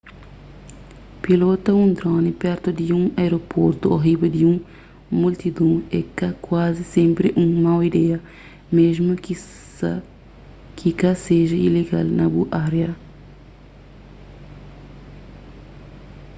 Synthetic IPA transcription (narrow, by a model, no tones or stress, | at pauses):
pilot̪ɐũnd̪ɾonipɛɾt̪ʊd̪iũŋajɾopoɾt̪ʊoɦibed̪iũŋ | mult̪id̪ũmekɐkwazisẽmpɾɪʔũŋmawid̪ɛɐ | mezmʊ | kʰikaseʒɐileɡa̰lnɐbuʔaɾeɐ